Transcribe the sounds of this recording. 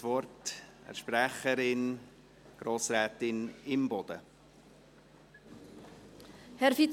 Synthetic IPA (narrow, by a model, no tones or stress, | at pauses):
ʋvɔrtɛ̰ɾʃpɾæχəɾɪn | ɡ̥ɾoːsɾæːtɪnɪmbɔd̥̪ə | hɛɾfit